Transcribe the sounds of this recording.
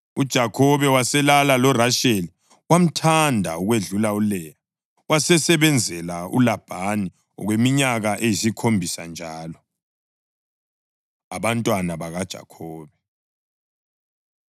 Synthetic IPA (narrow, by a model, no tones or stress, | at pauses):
ud̥ʒ̥ʱakʰɔβɛwasɛlalalɔraʃeli | wam̩tʰandʱa̰uɣweɮulaulɛja | wasɛsɛβɛnd͡zʱɛlaṵlab̥ʱani | ɔ̰ɣwemiɲaɣaʔejisikʰombʱisa̰nd͡ʒʱaːlɔ | aβantʼwanaβaɣad̥ʒ̥ʱa̰kʰɔːβɛ